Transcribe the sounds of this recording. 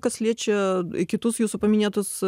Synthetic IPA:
kɐsʲlʲet͡ɕɪɪkʲɪt̪usjusʊpɐmʲɪnʲat̪us

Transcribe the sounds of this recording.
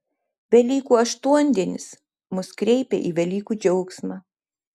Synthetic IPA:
ʋʲɛlʲiːkuːɐʃt̪uɔnʲd̪ʲiɛnʲɪ̰s | mʊskɾʲɛɪpʲḛʔiːʋʲɛlʲiːkuːd͡ʒʲɛʊksmɑː

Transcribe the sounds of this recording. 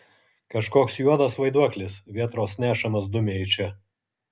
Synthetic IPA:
kɐʃkoːksjuɔd̪ɐsʋɐɪd̪uɔklʲɪsʋʲiɛt̪ɾoːsnʲæːʃɐmɐsd̪ʊmʲeːɪt͡ʃʲɛ

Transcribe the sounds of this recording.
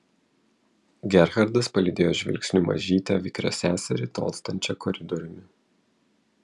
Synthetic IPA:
ɡʲɛɾɣɐɾd̪ɐspɐlʲɪd̪ʲeːjoːʒʲʋʲɪ̰lʲksʲnʲuːmɐ̰ʒʲiːt̪ʲɛʋʲɪkɾʲo̰ːsʲæːsʲɛɾʲɪt̪o̰ːlˠst̪ɐnʲt͡ʃʲɛkɔɾʲɪd̪ɔɾʲʊmʲɪ

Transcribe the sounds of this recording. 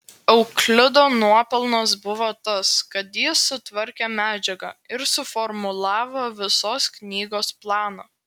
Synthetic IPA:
ɛʊklʲɪd̪oːnuɔpʲɛlˠnosbʊʋoːt̪ɐskɐt̪jɪsʊt̪ʋɐɾʲkʲemʲæːd͡ʒʲɛɡɐ̰ɪɾsʊfɔɾmʊlˠɑːʋoːʋʲɪsoːsknʲiːɡoːsplˠɑːnoː

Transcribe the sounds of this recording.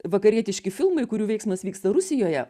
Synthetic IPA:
ʋɐkɐɾʲiɛt̪ʲɪʃʲkʲɪfʲɪlˠmɐɪkʊɾʲuːʋʲɛɪksmɐsʋʲiːkst̪ɐɾʊsʲɪjoːjɛ

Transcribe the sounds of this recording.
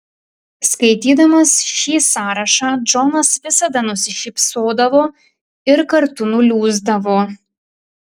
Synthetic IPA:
skɐɪt̪ʲiːd̪ɐmɐsʃʲiːsɑːɾɐʃɑːd͡ʒɔnɐsʋʲɪsɐd̪ɐnʊsʲɪʃʲɪpsoːd̪ɐʋoː | ɪɾkɐɾt̪ʊnʊlʲuːzd̪ɐʋoː

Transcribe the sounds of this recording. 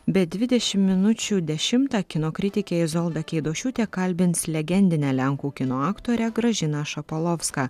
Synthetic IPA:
bʲɛd̪ʲʋʲɪd̪ʲɛʃʲɪmːʲɪnʊt͡ʃʲuːd̪ʲɛʃʲɪmt̪ɑkʲɪnoːkɾʲɪt̪ʲɪkʲeːɪzɔlˠd̪ɐkʲɛɪd̪oːʃʲuːt̪ʲeːkɐlʲbʲɪnslʲɛɡʲɛnʲd̪ʲɪnʲælʲɛŋkuːkʲɪnoːɑːkt̪oːɾʲɛɡɾɐʒʲɪnɑʃɐpolˠɔfskɑː

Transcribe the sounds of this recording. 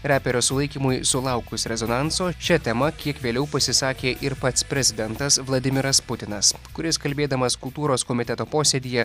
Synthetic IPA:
ɾʲæːpʲɛɾʲoːsʊlˠɐɪkʲiːmʊjsʊlˠɐʊkʊsɾʲɛzonɑnsoːʃʲɛt̪ʲɛmɐkʲiɛkʋʲeːlʲɛʊpɐsʲɪsɑːkʲeːʔɪɾpɐt̪spʲɾʲɛzʲɪd̪ʲɛnt̪ɐsʋlˠɐd̪ʲɪmʲɪɾɐspʊt̪ʲɪnɐskʊɾʲɪskɐlʲbʲeːd̪ɐmɐskʊlˠt̪uːɾoːskoːmʲɪt̪ʲɛt̪oːpoːsʲed̪ʲiːjɛ

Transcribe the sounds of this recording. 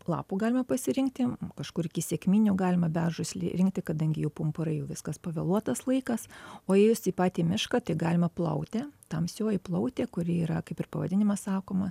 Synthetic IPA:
lˠɑ̰ːpuːɡɑːlʲɪmɐpɐsʲɪɾʲɪŋkt̪ʲɪkɐʃkʊɾɪkʲɪsʲeːkmʲiːnʲuɡɑːlʲɪmɐbʲæːʒʊsʲlʲɪ̰ɾʲɪŋk̚t̪ʲɪkɐd̪ɐŋʲɡʲɪjɛʊpʊmpʊɾɐɪjɛʊʋʲɪskɐspɐʋʲɛlˠuɔt̪ɐslˠɐɪkɐsoːjɛɪjʊst̪ʲiːpɑːt̪ʲiːmʲɪʃkɐt̪ɐɪɡɑːlʲɪmɐplˠɐʊt̪ʲeːt̪ɐmsʲoːjɪplˠɐʊt̪ʲeːkʊɾʲɪiːɾɐkɐɪpɪrpɐʋɐd̪ʲɪnʲɪmɐsɑːkoːmɐ

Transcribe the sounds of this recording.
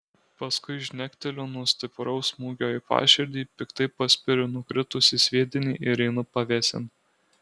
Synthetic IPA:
pɐskʊɪʒʲnʲækʲt̪ʲɛlʲoːnuɔsʲt̪ʲɪpɾɔʊsmuːɡʲoːjɪpɑ̰ːʃʲɪɾʲd̪ʲiːpʲɪkt̪ɐɪpɐsʲpʲɪɾʲʊnʊkɾʲɪt̪ʊsʲɪsʲʋʲiɛd̪ʲɪnʲḭːʔɪɾʲɛɪnʊpɐʋʲɛːsʲɪ̰n

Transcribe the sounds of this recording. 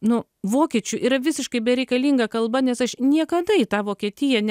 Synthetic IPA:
nʊ | ʋoːkʲiɛt͡ʃʲʊʔiːɾɐʋʲɪsʲɪʃkɐɪbʲɛɾʲɛɪkɐlʲiːŋɡɐkɐlˠbɐnʲɛsɐʃnʲiɛkɐd̪ɐɪt̪ɑːʋoːkʲiɛt̪ʲɪjɛnʲ

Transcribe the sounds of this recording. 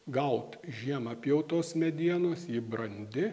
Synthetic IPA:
ɡɐʊt̪ʒʲiɛmɐpʲjɛʊt̪oːsmʲɛd̪ʲiɛnoːsiːbɾɐnʲd̪ʲɪ

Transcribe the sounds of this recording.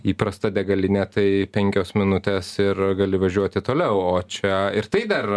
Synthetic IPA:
iːpɾɐst̪ɐd̪ʲɛɡɐlʲɪnʲɛːt̪ɐɪpʲɛŋʲkʲoːsmʲɪnʊt̪ʲeːsɪrɡɐlʲɪʋɐʒʲuɔt̪ʲɪt̪oːlʲɛʊoːt͡ʃʲɛɪɾt̪ɐɪd̪ɐr

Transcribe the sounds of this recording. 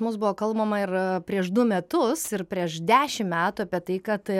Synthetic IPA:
mʊsbʊʋoːkɐlˠbɐmɐɪrpʲɾʲiɛʃd̪ʊmʲɛt̪ʊsɪɾpʲɾʲiɛʃd̪ʲæːʃʲɪmmʲæːt̪uɐːpʲiɛt̪ɐɪkɐt̪

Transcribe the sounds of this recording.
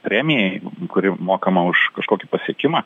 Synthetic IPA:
pʲɾʲæːmʲɪjɛɪkʊɾʲɪmoːkɐmɐʊʃkɐʃkoːkʲipɐsʲiɛkʲɪmɑː

